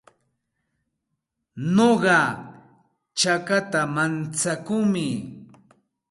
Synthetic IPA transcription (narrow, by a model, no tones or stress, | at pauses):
noɢɑ | t͡ʃakat̪amant͡sakʊŋmɪ